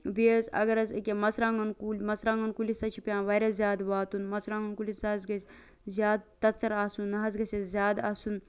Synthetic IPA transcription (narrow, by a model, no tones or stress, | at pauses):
biəzɐ̰ɡɐɾɐzekʲemɐsɾãːŋɡɐnkulʲmɐsɾãːŋɡɐnkulʲisɐt͡ʃʰipʲjãːʋɐjɾɐszʲjaːd̪ʋaːt̪unmɐsɾãːŋɡɐnkulʲisɐzɡɐs | zʲjaːd̪̚t̪ɐt͡sɐɾaːsunːɐɦɐzɡɐsʲezʲjaːd̪a̰ːsun